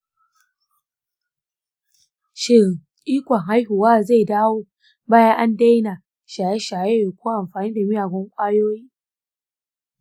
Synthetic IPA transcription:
ʃɪ˦ɣ | ʔiː˦kʷɔ˨ŋɦa˦jɦʊ˨waː˦za˦˨jdaː˦woː˦ | baː˦ja˦ʔa˦nda˦jna˨ | ʃaː˨je˦ʃa˨je˦˨kʷoː˦ʔa˨mɸaː˨niː˦da˨mɪ˦jaː˨ɡʷɔ˦ŋkʷʼaː˦joː˦jiː˦

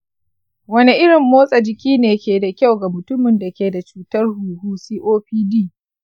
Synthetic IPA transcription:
wɐ˦ni˦ʔɪ˦ɽɪ˨mːoː˦sʼa˨d͡ʒɪ˨kʲiː˦neː˨kʲeː˨da˨kʲa˦wɡa˨mʊ˨tʊ˦mɪ˨nda˨kʲeː˨da˨t͡ʃuː˦tɐ˦rhuː˨huː˦siː˦ʔoː˦ɸiː˦diː˦˨

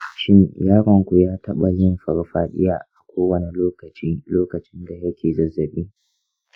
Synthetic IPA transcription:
ʃɪ˦njaː˦ɾɔ˨ŋkʷu˨jaː˦tʰɐ˦ɓa˨jɪ˦mɸɐ˨ɾɽɸaː˦ɗɪ̰˦jaː˨ʔa˨kʷoː˦wɐ˦˨ne˨loː˦kɐ˨t͡ʃiː˦loː˦kɐ˨t͡ʃɪ˦nda˨jɐ˦kʲʰeː˨zɐ˦zːɐ˨ɓiː˦

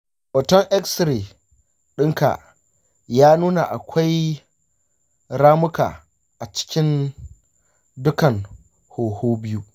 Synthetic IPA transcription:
ʔɔ˨tɔ˦ŋʔɛ˦ksɾe˨ | ɗɪ˦ŋka̰˨ | jaː˦nuː˦na˨ʔa̰˨kʷʰa˦j | ɾaː˦mʊ˦ka̰ː˨ | ʔa˨t͡ʃɪ̥˦kʲɪ˦n | dʊ˦kɐ˨ŋ | hoː˨hoː˦bɪ˦ju˦

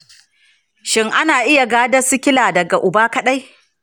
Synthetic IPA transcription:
ʃɪ˦ŋʔa˦naː˨ʔɪ˦ja˨ɡaː˦dɐ˦sʊ˦kʲɪ˦laː˨dɐ˨ɡa˨ʔʊ˨baː˦kɐ˦ɗa˦j

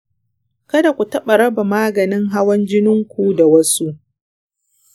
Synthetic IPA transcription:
kɐ˦da˨kʷu˨tɐ˦ɓa˨ɽɐ˦ba˨maː˦ɡɐ˨nɪ˦ŋɦa˦wɐ˦nd͡ʒɪ˦nɪ˦ŋkʷu˦da˨wɐ˦su˦ʔ

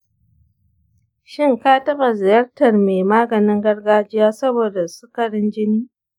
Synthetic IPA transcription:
ʃɪ˦ŋkaː˦tɐ˦ba˨zɪ˨jɐ˦rtɐ˨rmeː˨maː˦ɡɐ˨nɪ˦ŋɡɐ˦rɡaː˦d͡ʒɪ˦jaː˦sɐ˦boː˨da˨su˦kɐ˨ɽɪ˦nd͡ʒɪ˦niː˦

